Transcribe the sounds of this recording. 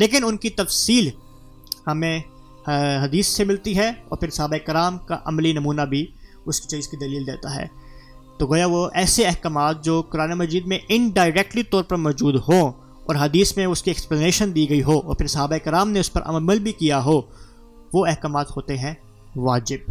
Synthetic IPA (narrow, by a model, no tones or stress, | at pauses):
leːk̬ɪnʊnkit̪ɐfsiːl | hɐmẽ | ɦɐd̪iːsːemɪlt̪iɦɛɔ̰ːɾpʰɪɾsɐɦaːbaɪkɪɾaːmka̰ʔɐmlinɐmuːnabʱi | ʊski̥t͡ʃiːzkid̪ɐliːld̪ḛːt̪aɦɛ̰ː | t̪oːɡoːjaʋoʔɛːseɛɦkamaːt̪̚d͡ʒoːkʊɾaːnemɐd͡ʒiːd̪mẽʔɪnɖaːɪɾɛːk̚ʈlit̪ɔːɾpɐɾmɔːd͡ʒuːd̪ɦo | ɔːɾɦɐd̪iːsmẽʊskiɛkspleːneːʃənd̪iːɡɐiɦoːɔːɾpʰɪɾsɐɦabaɪkɪɾaːmneʊspɐɾʔɐ̰məlbʱikijaɦoː | ʋoɛɦkaːmaːt̪hoːt̪eɦɛ̃ | ʋaːd͡ʒɪb̚